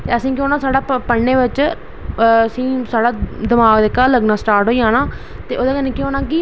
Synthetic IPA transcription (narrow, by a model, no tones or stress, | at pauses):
t̪eːəsĩːk̬jõːnaːsaːɽaːpəɽneːʋɪt͡ʃː | sĩːsaːɽaːd̪ɪmaːɡd̪eːkːaːləɡnaːsʈaːɾʈɦoːiːãːnaː | t̪eːʔoːd̪aːkəneːkːoːnãːki